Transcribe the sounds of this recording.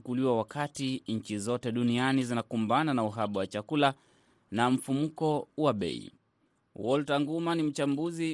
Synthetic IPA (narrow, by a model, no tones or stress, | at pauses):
ukuliwawakatiɲ̩t͡ʃizɔtɛɗunianizinakumbananauɦaɓawat͡ʃakula | nam̩fumukɔwaɓɛ̰ḭ | wɔltaŋɡumanim̩t͡ʃambuzi